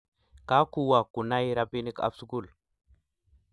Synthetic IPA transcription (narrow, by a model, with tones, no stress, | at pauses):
ka˦ku˦wa˨kːu˨na˦jɾa˨˦pi˦ni˦ka̰˨fsu˦ku˦˨l